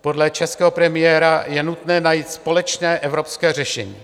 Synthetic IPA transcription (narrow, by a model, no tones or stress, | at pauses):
po̞dlɛt͡ʃɛskɛːɦopɾɛmɪjɛːɾajɛnut̪nɛːnajiːt̪spo̞lɛt͡ʃnɛːʔɛvɾo̞pskɛːr̝ɛʃɛ̰ɲiː